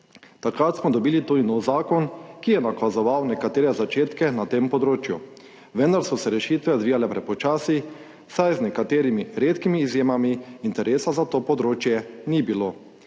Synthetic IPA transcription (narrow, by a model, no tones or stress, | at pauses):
t̪akɾaːt̪smɔd̪ɔbiːlit̪ud̪inɔwzaːkɔnkijɛnakazɔʋawnɛkat̪eːɾɛzat͡ʃeːt̪kɛnat̪empɔd̪ɾoːt͡ʃju | ʋɛnd̪aɾsɔsɛɾɛʃiːt̪ʋɛɔd̪ʋijalɛpɾɛpɔt͡ʃaːsi | sajznɛkat̪eːɾimiɾeːt̪kimiːzjeːmamiːnt̪ɛɾʔeːsazat̪oːpɔd̪ɾoːt͡ʃjɛnibilo